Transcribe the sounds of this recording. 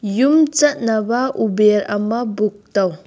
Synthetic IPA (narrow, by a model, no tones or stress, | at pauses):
jumt͡ʃɐt̚nabaʔubeɾɐmɐbuk̚taw